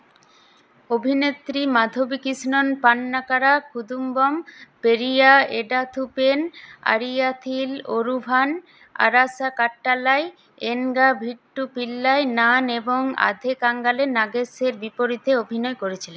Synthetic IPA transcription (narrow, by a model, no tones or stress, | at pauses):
obʱinet̪ːɾimad̪ʱobikisnonpanːakaɾakʰud̪umbompeɾijaeɖat̪ʰupena̰ɾijat̪ʰiloɾubʱan | a̰ɾasakaʈːalae | eŋɡabʱiʈːupilːaenaneboŋa̰d̪ʱekaŋɡalenaɡeseɾbipoɾid̪ʱːeobʱinɔekoɾet͡ɕʰilen